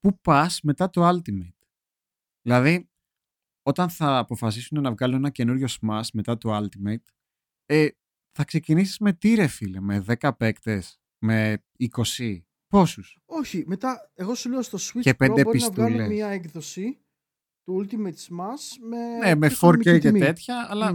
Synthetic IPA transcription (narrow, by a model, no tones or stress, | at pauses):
pupɐsme̞t̪ɐt̪oɐlt̪imet̪ | ðilɐði | o̞t̪ɐnθɐːpo̞fɐs̬isune̞nɐvɣɐluenɐce̞nuɾʝo̞smɐsme̞t̪ɐt̪oɐlt̪imet̪ | e | θɐkse̞cinisizme̞t̪iɾe̞filemeðe̞kɐpe̞kt̪e̞s | me̞ | iko̞si | po̞sus | o̞çimet̪ɐe̞ɣo̞suleost̪oswicepend̪eoɾpinsɐtvuɐlleɲɐekðosi | t̪uult̪imet̪smɐsmenemeffoɾeet̪e̞t̪çɐɐlɐ